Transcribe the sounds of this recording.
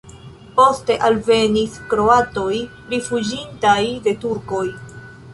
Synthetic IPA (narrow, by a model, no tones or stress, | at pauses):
po̞ste̞ʔalve̞niskɾo̞ato̞j | ɾifud͡ʒintajde̞tuɾko̞j